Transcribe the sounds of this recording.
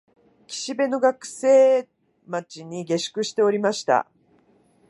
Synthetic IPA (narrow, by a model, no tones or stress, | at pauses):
kʲi̥ɕibe̞no̞ɡakɯ̟̥se̞ː | mat͡ɕiɲ̟iɡe̞ɕɨ̥kɯ̟ɕi̥t̪e̞o̞ɾʲimaɕi̥t̪a̰